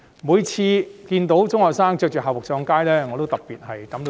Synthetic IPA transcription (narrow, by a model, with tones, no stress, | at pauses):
muː˨˧jt͡sʰiː˧kiː˧nt̪o˨˥wt͡sʊ˥ŋhɔː˨k̚saː˥ŋt͡ʃœː˧k̚t͡ʃœː˨˩ɦaː˨wʊ˨k̚sɔː˧ŋkaː˥jlɛː˥ŋɔː˨˧t̪o˥wt̪ɐ˨p̚piː˨t̚hɐ˨jk̪ɐ˨˥mt̪o˧